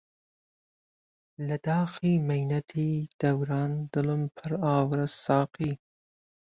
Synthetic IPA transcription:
lɐd̪ɑːxiːmɐjnɐt̪ʰiːd̪̥ɐwɾɑːnd̪ɨlɨmpʰɨɾɑːwɾɐsɑːqiː

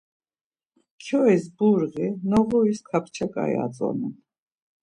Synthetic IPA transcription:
kʰjɔisbuɾʁinɔʁɔiskʰapʰt͡ʃʰakʼa̰j̰a̰t͡sʼɔ̰nɛ

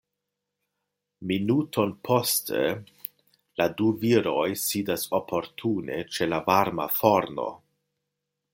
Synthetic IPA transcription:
minutʰo̞npʰo̞stḛ | laduviɾo̞jsidaso̞pʰo̞ɾtʰune̞̰t͡ʃe̞lavaɾma̰fo̞ɾno̞̰

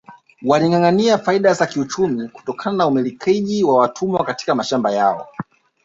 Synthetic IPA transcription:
waliŋaŋaniafaiɗazakiut͡ʃumiku̥tɔkʰananaumilikʰɛʄiwawatʰumwakati̥kamaʃambajaɔ̰

